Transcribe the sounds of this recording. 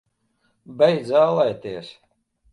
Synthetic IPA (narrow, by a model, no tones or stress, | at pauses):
bɛj̪zʲaːlˠɛjt̪iɛs